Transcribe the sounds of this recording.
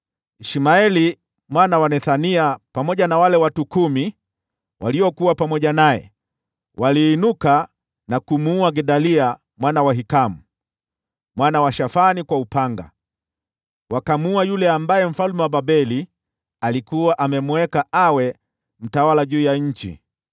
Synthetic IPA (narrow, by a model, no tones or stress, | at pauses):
iʃimaɛli | mwanawanɛθaniapamɔʄanawalɛwatukumi | wʔa̰liɔkuwapamɔʄanajɛ̰ | wʔaliːnuka | nakumuuaɡɛɗalia | mwanawaɦikamu | mwanawaʃafanikwaupaŋɡa̰ | wakamuuajulɛambajɛm̩falumɛwababɛli | alikuwaʔamɛmuɛkaʔawɛ | m̩tawalaʄuːjaɲ̩t͡ʃḭ